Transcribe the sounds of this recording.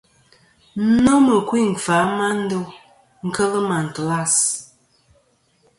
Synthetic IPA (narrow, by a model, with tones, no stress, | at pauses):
no˦mə˨kwi˦˨ŋ̩˨fa˨˦ma˦n̩˦do˦ | ŋ̩˦kə˦lə˦ma˨n̩˨to˨la˦˨s